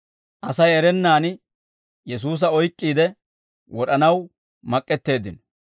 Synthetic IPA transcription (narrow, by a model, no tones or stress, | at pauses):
ʔɐsɐjɛɾɛnːaːn | jɛs̬uːs̬ɐɔjkʼːiːd̪ɛ | wɔɗɐnɐw | mɐkʼːɛt̪ːe̞ːd̪ɪnɔ